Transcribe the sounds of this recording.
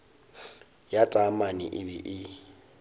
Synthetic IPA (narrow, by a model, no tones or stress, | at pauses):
jatʼamanḭʔɪbɪ̰ʔɪ